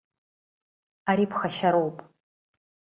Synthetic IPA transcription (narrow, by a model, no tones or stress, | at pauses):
aɾiːpʰxɐʃɐɾowpʼ